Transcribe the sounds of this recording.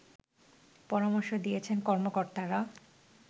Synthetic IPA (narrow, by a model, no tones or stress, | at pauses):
pɔɾamoɾʃod̪ijet͡ɕʰenkɔɾmokoɾt̪aɾa